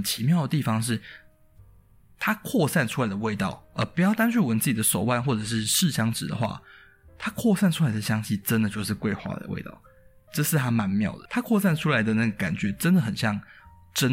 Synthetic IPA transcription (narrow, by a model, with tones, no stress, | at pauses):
t͡ɕʰi˧˥mjɑ˥˩ʊd̪ə˩t̪i˥˩fɑ˩ŋʂ̬ɻ̩˥˩ | t̪ʰa˥kʰwɔ˥˧sa˥˩nʈ͡ʂʰu˥la˨˥ɪd̪ə˧we˥˧ɪt̪ɑ˥˩ʊə˧˩pu˨˩jɑ˥˩ʊt̪a˥nt͡ɕʰy˥˩wə˧˦nt͡sɹ̩˥˩t͡ɕi˨˩d̪ə˦ʂo˨˩ʊwa˥˧nxwɔ˥˩ʈ͡ʂɤ˨˩ʂɻ̩˥˧ʂɻ̩˥˩ɕjɑ˥ŋʈ͡ʂɻ̩˨˩d̪ə̰˦xwa̰˥˩ | t̪ʰa˥kʰwɔ˥˧sa˥˩nʈ͡ʂʰu˥la˨˧ɪd̪ə˩ɕjɑ˥ŋɕi˥˩ʈ͡ʂə˦˥nd̪ə˨t͡ɕjo˥˧ʊʂ̬ɻ̩˥˧kwe˥˧ɪxwa̰˥˧˩d̪ə̰˩wḛ˥˧ɪt̪ɑ̰˥˩ʊ | ʈ͡ʂɤ˥˧ʂɻ̩˥˩t̪ʰa˥ma˧˥nmjɑ˥˩ʊd̪ə˩t̪ʰa˥kʰwɔ˥˧sa˥˩nʈ͡ʂʰu˥la˧˥ɪd̪ə˨na˥˩ɡo˨˩ŋka˨˩nt͡ɕɥɛ˨˥ʈ͡ʂə˦nd̪ə˨xə˨˩nɕjɑ˥˩ŋ | ʈ͡ʂə˦˥n